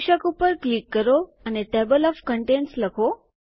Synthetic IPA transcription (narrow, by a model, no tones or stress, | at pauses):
ɕakupəɾklikːəɾoəneʈebəlɔfkəɳʈensləkʰo